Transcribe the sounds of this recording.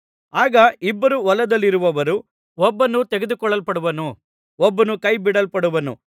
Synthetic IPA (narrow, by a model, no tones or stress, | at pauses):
aːɡɐibːɐɾuʋɔlɐd̪ɐlːiɾuʋɐʋɐɾu | ɔbːɐnːut̪eɡed̪ukɔɭːɐlpɐɽuʋɐnu | ɔbːɐnukɐjbiɽɐlpɐɽuʋɐnṵ